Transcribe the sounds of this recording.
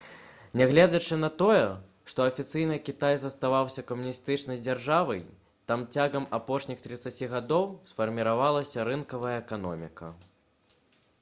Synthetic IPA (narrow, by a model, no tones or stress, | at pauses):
nʲɛɣlʲɛd͡zʲɐt͡ʂɨn̪ɐt̪ɔjɛ | ʂt̪ɔɐfʲit̪sɨjnɨkʲit̪ajzɐst̪avawsʲɐkɐmunʲist̪ɨt͡ʂnɐjd͡zʲarʐavɐj | t̪amt͡sʲaɣɐmapɔʂnʲixt̪ɾɨt̪sat͡sʲiɣad̪ɔwsfɐrmʲiɾavalˠɐsʲɐɾɨnkɐvɐjɐɛkanɔmʲikɐ̰